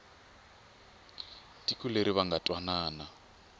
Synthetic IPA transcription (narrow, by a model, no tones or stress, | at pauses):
tikʼuleɾiβaŋɡatʼwanaːna